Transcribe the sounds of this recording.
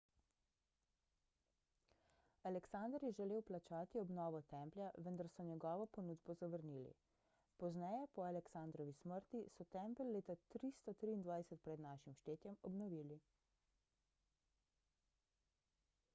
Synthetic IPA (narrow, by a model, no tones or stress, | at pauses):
alɛksand̪əɾjɛʒɛleːwplat͡ʃaːt̪iɔbnɔːʋɔt̪ɛmpljaʋənd̪aɾsɔɲɛɡɔːʋɔpɔnuːd̪bɔzaʋəɾnilḭ | pɔznɛjɛpɔalɛksand̪ɾɔʋisməɾt̪isɔt̪ɛmpəlːeːt̪at̪ɾist̪ɔt̪ɾiːnd̪ʋajsɛt̪̚pɾɛd̪naːʃimʃt̪eːt̪jɛmɔbnɔʋiːli